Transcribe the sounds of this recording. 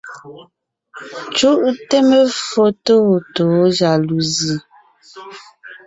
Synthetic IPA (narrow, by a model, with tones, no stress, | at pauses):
t͡ʃu˦ʔte˦mə˦fo˦to˦˨to˨˦d͡ʒa˨lu˨zi˨